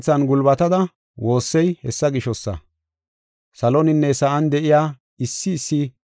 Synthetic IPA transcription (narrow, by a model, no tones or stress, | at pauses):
t͡sːɐnɡʊlbɐt̪ɐd̪ɐ | wo̞ːsːɛjhɛsːɐɡɪʃɔsːɐ̰ | sɐlɔnɪnːɛsɐʔɐnd̪ɛʔɪjaː | ɪsːɪːsːɪ